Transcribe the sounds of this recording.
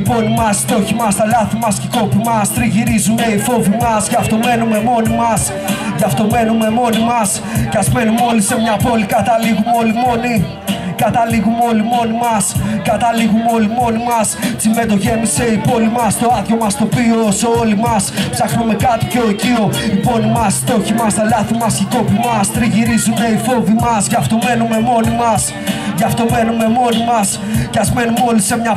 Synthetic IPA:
ipo̞nimɐst̪o̞çimɐst̪ɐlɐθimɐsceko̞pimɐst̪ɾiʝiɾizumeifo̞vimɐszʝɐft̪o̞me̞nume̞mo̞nimɐs | ʝɐft̪o̞me̞nume̞mo̞nimɐs | kɐzmenimo̞lisemɲɐpo̞likɐt̪ɐliɣumeo̞limo̞ni | kɐt̪ɐliɣumeo̞limo̞nimɐskɐt̪ɐliɣumeo̞limo̞nimɐssimbe̞d̪oʝe̞nise̞ipo̞limɐst̪o̞ɐðço̞mɐst̪o̞pioseo̞limɐspsɐxnume̞kɐt̪i̥pcocio̞ipo̞nimɐst̪o̞çimɐst̪ɐlɐθimɐsit̪o̞pimɐst̪ɾiʝiɾizume̞ifo̞vimɐsʝɐft̪o̞me̞nume̞mo̞nimɐs | ʝɐft̪o̞me̞nume̞mo̞nimɐs | cɐzme̞numo̞lise̞mɲɐ

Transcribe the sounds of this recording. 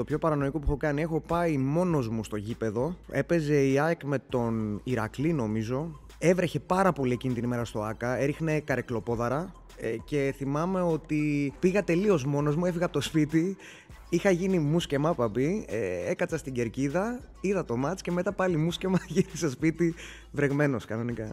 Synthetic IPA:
t̪o̞pçopɐɾɐno̞ikopuxo̞kɐnie̞xo̞pɐimo̞no̞zmust̪o̞ʝipe̞ðo̞e̞pe̞ze̞iɐkme̞t̪o̞niɾɐ̰klino̞mizo̞ | e̞vɾe̞çe̞pɐɾɐpo̞lie̞cinit̪inime̞ɾɐst̪o̞ɐkɐe̞ɾixne̞kɐɾeklo̞po̞ðɐɾɐ | ce̞θimɐme̞o̞t̪ipiɣɐt̪e̞lio̞zmo̞no̞zmue̞fiɣɐpot̪ospit̪i | ixɐʝinimusce̞mɐpɐbieekɐt͡sɐst̪iɟe̞ɾciðɐ | iðɐt̪o̞mɐt̪t͡sce̞me̞t̪ɐpɐlimusce̞mɐʝinisespit̪i | vɾe̞ɣme̞no̞skɐno̞nikɐ

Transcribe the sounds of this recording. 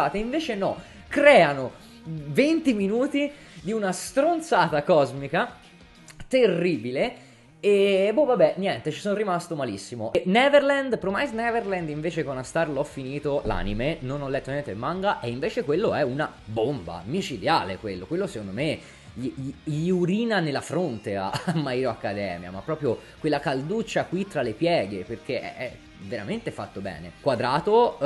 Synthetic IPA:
aːt̪eiɱveːt͡ʃenɔ | kɾɛːano | vent̪iminuːt̪i | d̪iunast̪ɾont̪saːt̪akɔzmika | t̪erːiːbile | ebovabːɛnjɛnt̪et͡ʃisonrimast̪omalisːimoʔenɛverland̪pɾomajznɛverland̪iɱveːt͡ʃekonast̪arlɔfːiniːt̪ola̰ːnimenonɔlːɛt̪ːonjɛnt̪emːaŋɡaʔeiɱveːt͡ʃekwelːoɛuna | bomba̰mit͡ʃid̪jaːlekwelːokwelːose̥kond̪ome | ʎiiʎiuɾiːnanelːafɾont̪ea̰mːaiɾoakːad̪ɛ̰ːmja̰mapːɾɔːpɾjokwelːakald̪ut͡ʃːakwit̪ːɾalːepjɛːɡeperk̟eɛ̰ɛ̰ | veɾa̰ment̪efat̪ːobɛ̰ːnekwad̪ɾaːt̪o

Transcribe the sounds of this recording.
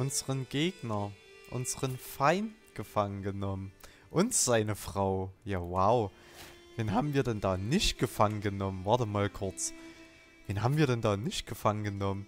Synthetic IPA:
ʔʊnzəʁənɡ̥eːɡnɐ | ʔʊ̰nzəʁənfaɪntɡ̥əfaŋənɡənɔmən | ʔʊntz̥aɪnəfʁ̥aʊjaːwaʊ | veːnɦaːbm̩viːɐdɛndaːnɪçtɡ̥əfaŋənɡənɔmənvɑɐtəmaːlkʰʊɐt͡s | veːnɦaːbm̩viːɐɾɛndaːnɪçt̚ɡ̥əfaŋənɡənɔmən

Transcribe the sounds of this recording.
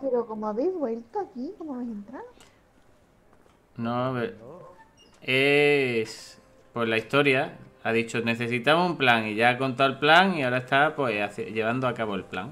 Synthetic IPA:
peɾokomoaβejzβwe̞lt̪oakikomoaβejsent̪ɾa | nõβeɾ | es | pwe̞laist̪o̞ɾjaaðit͡ʃone̞θe̞sit̪amoumplaŋiʝaːko̞nt̪̬aelplaŋiaoɾae̞st̪apwesaθʎe̞βand̪oakaβo̞e̞lplaŋ

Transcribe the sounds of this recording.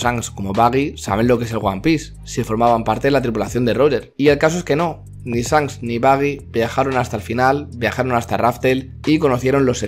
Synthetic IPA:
saŋsko̞mo̞βaɣisa̰β̞e̞nlo̞kee̞s̬e̞lɣwa̰mpis | sifo̞ɾmaβ̞ampaɾt̪e̞ðelat̪ɾipulaθjo̞nd̪eroʎe̞ɾie̞lkas̬o̞e̞ske̞no̞ | nisaŋsniβaɣ̞ibjaxaɾo̞nast̪alfinalbjaxaɾo̞nast̪araft̪el | iko̞no̞θje̞ɾo̞nlo̞se

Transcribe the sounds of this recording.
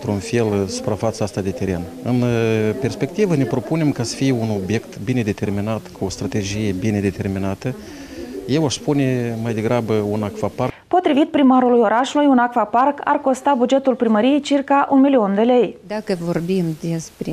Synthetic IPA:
t̪ɾunfe̞lsu̥pɾafat̪səast̪ad̪e̞t̪eɾe̞n | ɨnpe̞rspe̞kt̪ivəne̞pɾo̞pune̞mkasə̥fijeuno̞bje̞kt̪bine̞d̪e̞t̪e̞rminat̪kuo̞st̪ɾat̪e̞d͡ʒije̞bine̞d̪e̞t̪e̞rminat̪ə | jewaʃspune̞majd̪e̞ɡɾabəunakfaparpo̞t̪ɾivit̪̚pɾimaɾulujo̞ɾaʃulujunakfaparkʰa̰rko̞st̪abud͡ʒe̞t̪ulpɾiməɾije̞jt͡ʃirkaʔunmilio̞nd̪e̞le̞jd̪akəvo̞rbimd̪espɾe

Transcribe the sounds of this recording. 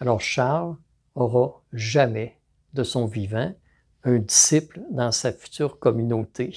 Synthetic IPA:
alɔːʁʃaʁl | ɔʁɑ | ʒamɛ | d̪əsɔ̃vivɑ̃ | œ̃d̪isipld̪ɑ̃safy̥t̪yːʁkɔmynot̪ʰe

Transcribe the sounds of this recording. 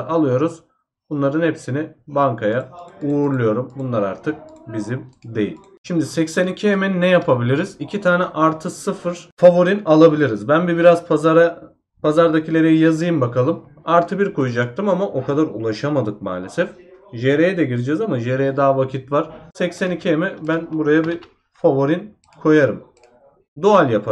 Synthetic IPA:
alˠɯjo̞ɾuz̥ | bunlˠaɾɯnhɛpsinibaŋkʰajauɾlˠujo̞ɾumbunlˠaɾaɾt̪ʰɯk̚bizimd̪e̞̰jḭlʲ | ʃimd̪isɛcsænicʰiɦemennːɛjapʰabilʲiɾiz̥icʰit̪ʰaːnɛʔaɾt̪ʰɯsɯfɯɾ̥favo̞ɾinalˠabilʲiɾizbænbibiɾazaɾa | pʰazaɾd̪acʰilʲe̞ɾɛjijazɯjɯmbakʰalˠɯm | aɾt̪ʰɯbiɾkʰo̞jud͡ʒak̚t̪ʰɯmamaʔo̞kʰad̪aɾṵlˠaʃamad̪ɯk̚ma̰ːlʲe̞sɛfʒeɾejɛd̪ɛɟiɾid͡ʒɛzamaʒeɾejɛd̪aːvakcʰit̪vaɾ̥sɛcsænicʰiemɛbænbuɾajabi | favoɾin | kʰo̞jaɾɯm | d̪oalʲjapʰa

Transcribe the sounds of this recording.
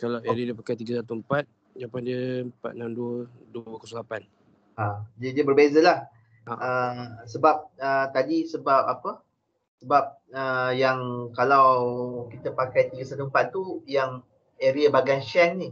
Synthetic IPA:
kalaweɾiadiəpakajt̪iɡəsat̪uəmpat̪̚ | japandiəəmpa̰t̪̚namduədubəkəsəlapan | ad͡ʒaidiəbərbezəlah | əsəbap̚ət̪adisəbap̚apə | səbap̚ | əjaŋkalawkit̪əpakajt̪iɡəsat̪uəmpat̪ːujaŋ | eɾiabaɡanʃɛnni

